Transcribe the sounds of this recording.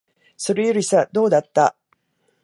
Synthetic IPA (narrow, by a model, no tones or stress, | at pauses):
so̞ɾe̞joɾʲisad̪o̞ːd̪at̪ːa